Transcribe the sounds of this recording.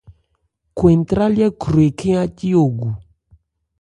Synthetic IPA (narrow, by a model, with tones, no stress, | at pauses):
kwɛ˨ntɾa˦lja˦kɾwe˨kʰe˦a˦ti˦o˨ɡu˨